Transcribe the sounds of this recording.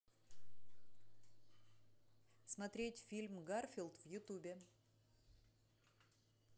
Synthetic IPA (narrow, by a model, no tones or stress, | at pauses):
smɐt̪ɾʲetʲfʲilʲmɡarfʲilˠt̪vjʊt̪ubʲɪ